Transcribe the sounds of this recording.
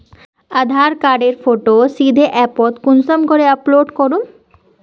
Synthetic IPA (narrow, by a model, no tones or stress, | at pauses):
ad̪ʱaɾkaɾɖeɾfoʈosid̪ʱeʔɛpot̪kunsɔmkoɾeaploɖkoɾun